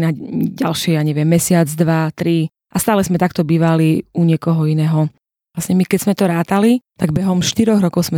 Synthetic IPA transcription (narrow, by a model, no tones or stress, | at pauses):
naɟalʃɪɛjaɲɛʋɪɛmːɛsɪad͡zd̪ʋat̪ɾi | ʔast̪aːlɛzmɛt̪akt̪ɔbiːʋaliuɲɪɛkɔɦɔinɛːɦɔ | lasɲɛmikɛz̥mɛt̪ɔɾaːt̪alit̪aɡ̚bɛɦɔmʃt̪iɾɔɣɾɔkɔʊsmɛ